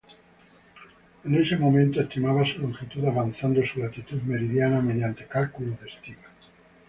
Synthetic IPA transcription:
enesemomẽnt̪oest̪imaβasuloŋkxit̪uðaβanθand̪osulat̪it̪uðmeɾiðjanameðjant̪ekalkuloðest̪ima

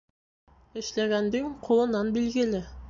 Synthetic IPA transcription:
ɪ̆ʃlæɡænd̪ɪŋqʰolˠɤ̆nɑnbilɡʲɪlɪ

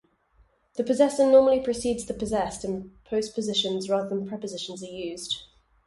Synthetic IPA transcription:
ðəpʰəzɛsənɔːməlipʰɹ̥əsiːdz̥ðəpʰəzɛstə̃npʰəʊspʰəzɪʃə̃nzɹɑːðəðə̃npʰɹ̥ɛpəzɪʃə̃nzəjʉːz̥d̥

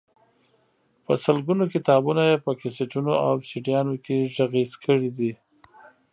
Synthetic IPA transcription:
pəsəlɡunokɪt̪ɑbunajepəkɪseʈunoawsiʈijɑnokeʒaɣizkʰəɽid̪i

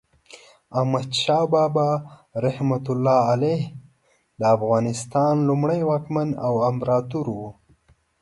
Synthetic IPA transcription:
ahmad̪ʃɑːbɑːbaɾahmat̪ʊlːɑːaleh | ləːfɣɑnɪst̪ɑnlumɽajwɑːkmanawambɾɑt̪uɾwu

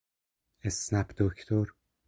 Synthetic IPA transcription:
esnæpd̪̥okʰt̪ʰoɾ

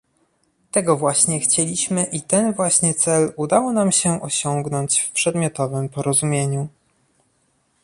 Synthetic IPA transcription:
t̪ɛɡɔvwaɕɲɛxt͡ɕelʲiɕmɘʔit̪ɛnvwaɕɲɛt̪sɛlud̪awɔnamɕɛʔɔɕɔŋɡnɔɲt͡ɕfpʂɛd̪mʲjɔt̪ɔvɘmpɔɾɔzumʲjeɲu

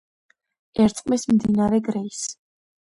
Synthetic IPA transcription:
ɛɾt̪sʼqʼmismd̪inaɾɛɡɾɛis

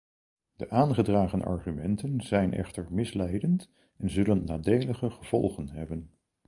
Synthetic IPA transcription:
d̥əʔaːnχədraːχənʔɑ̰ɹχymɛntənzɛjnʔɛ̰χtəɹmɪslɛjdənt | ɛnzɵlənːaːdejləχəχəv̥ɔ̰lˠχənɦɛbən

